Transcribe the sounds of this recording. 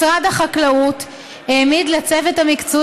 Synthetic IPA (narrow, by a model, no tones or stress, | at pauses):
sʁadaχaklaut | emidlat͡sevetamikt͡su